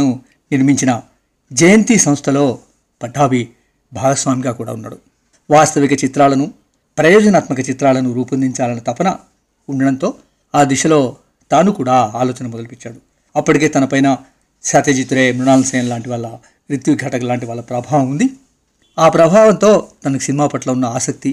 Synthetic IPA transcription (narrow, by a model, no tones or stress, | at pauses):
nu | niɾmiɲt͡ʃinɐ | d͡ʒɐjɐnt̪iːsɐmst̪ʰɐlo̞ː | pɐʈʰːaːbi | bʱaːɡɐsʋaːmiɡaːkuːɽa̰ːunːa̰ːɽu | ʋaːst̪ɐʋikɐt͡ʃit̪ɾaːlɐnu | pɾɐjɔːd͡ʒɐnaːt̪mɐkɐt͡ʃit̪ɾaːlɐnuɾuːpɐnd̪iɲt͡ʃaːlɐnɐt̪ɐpɐnɐ̰ | uɳɖɐɽɐnt̪o̞ː | aːd̪iʃɐlo̞ː | t̪aːnukuːɽaːaːloːt͡ʃɐnɐmɔd̪ɐlupit͡ʃːaːɽu | ɐpːuʈike̞ːt̪ɐnɐpɐjnɐ | ʃaːt̪eːd͡ʒit̪uɾeːmɾuɳaːlɐsɐjɐnɐlaːɳʈiʋaːɭːɐ | ɾit̪jiɡʱɐʈɐɡɐlaːɳʈiʋaːlɭːɐpɾɐbʱaːʋɐmund̪i | aːpɾɐbʱaːʋɐnt̪o̞ːt̪ɐnɐki̥sinimaːpɐʈloːunːɐaːsɐk̚t̪i